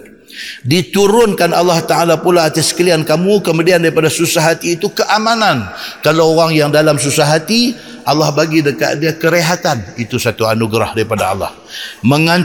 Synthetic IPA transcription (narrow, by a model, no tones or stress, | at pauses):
dit̪uɾʊnkana̰lːaht̪aalapulaːt̪asə̥kəliankamukəmudiandaɾipadasusaɦat̪iːt̪ukəʔamanankalawoɣaŋjaŋdalams̬usaɦat̪i | ʔalːahbaɡidəka̰ʔdiakəɾeɦat̪anit̪usat̪uanuɡɾahdaɾipadaɑ̰lːa̰h | məŋaɲ